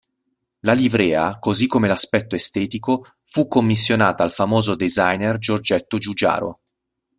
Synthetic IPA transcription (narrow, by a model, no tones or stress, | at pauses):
lalibɾɛːa̰kozikːomelaspɛt̪ːoest̪ɛːt̪iko | fukːomːisːjonaːt̪aːlfamoːzod̪ezajnerd͡ʒord͡ʒɛt̪ːod͡ʒud͡ʒa̰ːɾo̰